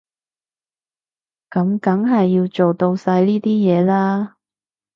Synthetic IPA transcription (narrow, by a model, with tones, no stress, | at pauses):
kɐ˨˥mkɐ˨˥ŋɦɐ˨jːiː˧wt͡ʃo˨wt̪o˧wsaː˧jliː˥t̪iː˥jɛː˨˧laː˥